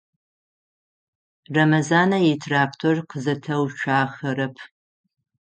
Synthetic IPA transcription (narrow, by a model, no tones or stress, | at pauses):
rɐmɐzaːnɐjetʰraːktʰorqəzɐtʰɐwt͡ʃʷʰaːxɐɾɐpʰ